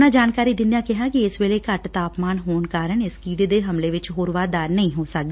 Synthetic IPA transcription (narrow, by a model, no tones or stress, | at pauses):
naːd͡ʒaːnkaːɾiːd̪ɪnjaːkɪɦãːkiɪsʋeːleːkəʈt̪aːpmaːnɦoːnkaːɾəɳɪskiːɖd̪eːɦəmleːʋɪt͡ʃɦoːɾʋaːd̪aːɾnəĩːɦoːsək̚d̪eː